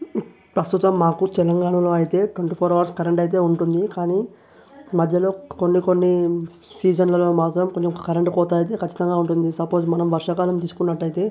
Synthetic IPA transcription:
pɾɐst̪ut̪ɐmːaːkut̪ɛlɐŋɡaːɳɐloːɐjit̪e̞ːʈweɳʈiːpʰoːɾɐʋɐɾskɐɾeɳʈɐjit̪̬e̞ːuɳʈund̪ikaːniː | mɐd̪ʱjɐlo̞ːko̞nːiko̞nːisiːd͡ʒɐnlɐlo̞ːmaːt̪ɾɐmko̞ɲt͡ʃemkɐkɐɾeɳʈkɔːt̪aːjit̪̬eːkɐt͡ʃːit̪ɐŋɡaːuɳʈund̪isɐpo̞ːd͡ʒmɐnɐmʋɐɾʂɐkaːlɐmt̪iːsu̥kunːɐʈːɐjit̪e̞ː

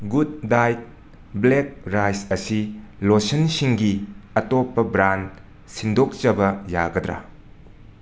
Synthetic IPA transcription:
ɡud̚ːajt̚ | blek̚ɾajsɐsilosɐnsiŋɡiɐtopːɐbɾan | sindok̚t͡ʃɐbɐja̰ɡɐdɾa̰

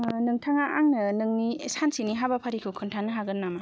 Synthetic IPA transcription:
nɯŋtʰaŋaʔaŋnɯnɯŋniesansiniɦabapʰaɾikʰɯwkʰɯntʰanːɯɦaɡɯnːama

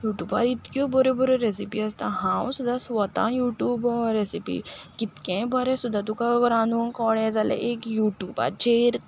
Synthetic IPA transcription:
juːʈjuːba̰ɾit̪kõbɔɾebɔɾeɾesipiɐst̪aɦãːwsud̪asʋɔt̪ã̰juːʈjuːbɾesipḭkit̪kẽbəɾẽsud̪at̪ukaɡɾaːnukɔːɽezalḛʔeːkjuːʈjuːba̰ɾt͡ʃeːɾ

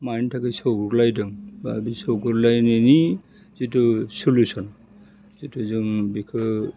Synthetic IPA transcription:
majntʰakisɔɡuɾlajdɯŋba̰bisɔwɡuɾlajneni | zitusulusɔn | zituzɯŋbikʰɯ

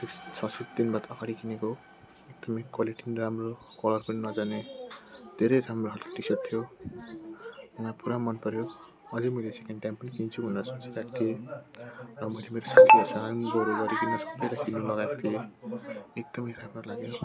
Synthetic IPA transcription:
t̪ekt͡sʰʌsut̪d̪inbat̪ʌɡaɽikineko | ek̚d̪̥ʌmʌjkwaliʈinramrokʌlʌrpʌninʌd͡zane | d̪̥ʱeɾʌjramroɦʌlko̥ʈisʌt̪ʰijo | uŋapuɾamʌnpʌɾjo | ʌd͡zemʌjlesekeɳɖʈajmpʌnikint͡sʰubʱʌneɾʌsʌt͡siɾak̚t̪ʰie | rʌmʌjlemeɾosatiosaŋanboɾeɡʌɾikinesʌ̥bːʌjlajkinːulʌɡakt̪ʰie | ek̚d̪̥ʌmʌjramrolaɡe

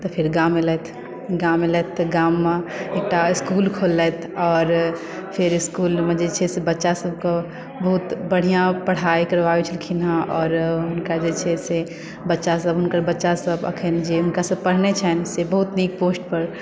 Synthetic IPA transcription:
t̪ɔpʰɪɾɡamelɛt̪ʰ | ɡamelɛt̪ːɡamːeek̚ʈaɪskulkʰolːɛt̪ʰɔːɾ | pʰiɾɪskulmẽd͡ʒet͡ʃʰɛsebətːʃasəb̚kə | bəɦut̪bəɽ̤ijãpəɽ̤aikəɾʋaet͡ʃʰəlkʰinɦãʔɔːɾɦʊnkad͡ʒet͡ʃʰɛse | bətːʃasəbɦʊnkəɾbətːʃasəbə̰kʰənd͡ʒeɦʊnkasəb̚pəɽ̤net͡ʃʰɛnsebəɦut̪niːk̚poːsʈ̚pəɾ

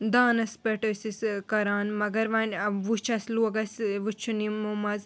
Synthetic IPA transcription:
d̪aːnɐspɐʈɐsiskɐɾaːnmɐɡɐɾʋɐnʋut͡ʃʰɐsluːɡɐsʋut͡ʃʰːunimumɐz

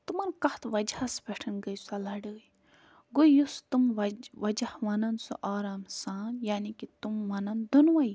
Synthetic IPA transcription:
t̪umɐnkɐht̪ʰʋɐd͡ʒasbeʈʰɐnɡɐjsalɐɖɨːi | ɡojust̪umɐʋɐd͡ʒɐhmɐnɐnsṵʔaːɾaːmsaːnjaːnikit̪umːɐnɐnd̪unʋɐj

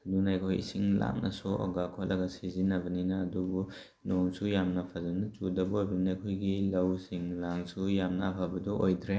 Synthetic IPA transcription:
dunajkʰojḭsiŋla̰mnɐsɔɔ̰ɡakʰɔt̚lʔɐɡɐsizinɐbɐninɐːdubu | noŋsujamnɐpʰazɐnɐt͡ʃudɐbɐojbɐnajkʰojɡilɐwsiŋlaŋsujamnɐːpʰabɐdɔʔojdɾe

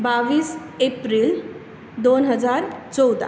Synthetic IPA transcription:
baʋiːs | epɾil | d̪onɦəd͡zaɾt͡sɔwd̪a̰

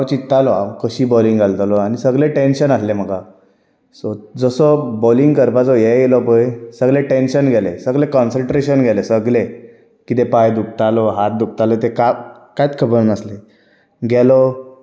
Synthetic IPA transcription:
ɾt͡ɕit̪ːalɔa̰kəɕiːbɔlĩŋɡalt̪alɔañisəɡleʈenɕənaslem̤əɡa | sɔd͡zəsɔbɔliŋɡkəɾpad͡zɔjeɡelɔpəjsəɡleʈenɕənɡʱɛlesəɡlekɔnsəɳʈɾeɕənɡʱɛlesəɡle | kit̪epajd̪uk̚t̪alɔɦat̪̚d̪uk̚t̪alɔt̪ekakajt̪kʰəbəɾnəsle | ɡɛlɔ

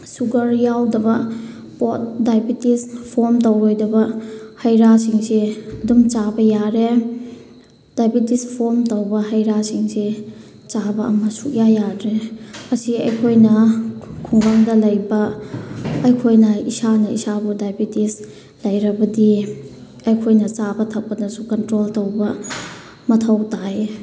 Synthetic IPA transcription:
suɡɐɾjawdɐbɐ | pot̚dajbitispʰoɾmtowojdɐbɐhɐjɾasiŋsedumt͡ʃabɐjaɾe | d̥ajbitispʰoɾmtɐwbɐɦɐjɾasiŋse | t͡ʃabɐɐmɐsuʔjajadɾeɐsiɐjkʰojnɐkʰuŋbaŋdɐlɐjbɐː | jkʰojnɐisanɐḭsabudajbitis | lɐjɾɐbɐdi | ɐjkʰojnɐt͡ʃabɐtʰɐk̚pɐnɐsukɐntɾoltowbɐ | mɐtʰɐwtaj

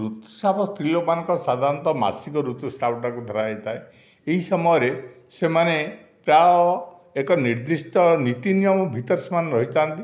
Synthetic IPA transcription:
ɾut̪usapɔst̪ɾilɔmanɔ̃ŋkɔsad̪ʱaɾɔnt̪ɔma̰sikɔɾut̪usʈapʰɔʈakud̪ʱɔɾajt̪ae | eɦisɔmɔjɔɾe | semane | pɾaɔ | ekɔniɾd̪isʈɔnit̪injɔmɔbʱit̪ɔɾsmanɾɔɦit̪ant̪i

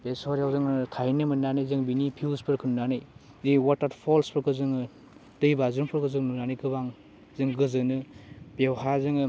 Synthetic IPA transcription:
besɔɾjawzɯŋtʰajnɯmɯnːanɯjzɯŋbinipʰiwspɯɾkʰɯnnːanɯj | ziwataɾpʰɔlspɯɾkʰɯzɯŋɯ | d̥ɯjbazɯnpʰɔɾkʰɯzɯŋnunanijkʰɯbaŋ | zɯŋɡɯzɯnɯbewɦazɯŋɯ

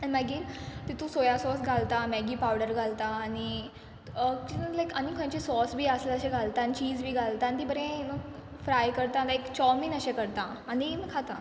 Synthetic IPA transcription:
aɽimaɡiːɾt̪it̪ũsojasɔsɡʱalt̪amɛɡiːpawɽəɾɡʱalt̪aːɽ̃i | t͡ɕilajkañikʰõt͡ɕesɔsbʱiːəsleəɕẽɡʱalt̪aːnit͡ɕiːd͡zbʱiːɡʱalt̪ant̪ibəɾẽmə | fɾajkəɾt̪ad̪aekt͡ɕɔminəɕẽkəɾt̪aːñinkʰat̪a

